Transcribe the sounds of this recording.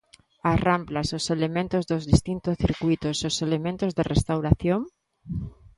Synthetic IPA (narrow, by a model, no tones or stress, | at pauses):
aramplasoselemẽnt̪ozðozðist̪int̪osθiɾkwuit̪ososelemẽnt̪ozðerest̪awɾaθjoŋ